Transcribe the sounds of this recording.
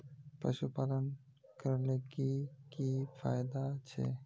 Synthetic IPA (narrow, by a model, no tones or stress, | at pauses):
pə̰ʃupalən | kəɾlekikifa̰jd̪at͡ʃʰḛ